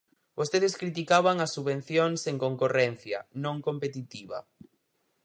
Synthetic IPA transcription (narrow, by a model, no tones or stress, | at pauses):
bost̪eðeskɾit̪ikaβaŋɐsuβẽn̟θjoŋseŋkoŋkorɛn̟θjɐnõŋkompet̪it̪iβa̰